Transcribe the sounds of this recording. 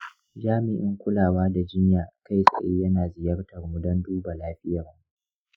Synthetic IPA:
d͡ʒaː˦mɪ˨ʔɪ˦ŋkʷʊ˦laː˨waː˦da˨d͡ʒɪ˦ɲjaː˨ʔka˦˨jsʼɐ̰˨ʔeː˦jɐ˦naː˨zɪ˨jɐ˦rtɐ˨rmʊ˦dɐ˦nduː˦ba˨laː˦ɸɪ˦jɐ˨r

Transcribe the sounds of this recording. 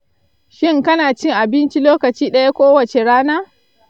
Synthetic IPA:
ʃɪ˦ŋkɐ˦naː˨t͡ʃɪ˦˨ŋʔa˨bɪ˦nt͡ʃi˦loː˦kɐ˨t͡ʃiː˦ɗɐ˦ja˦kʷoː˦wɐ˨t͡ʃe˨ɽaː˦naː˦

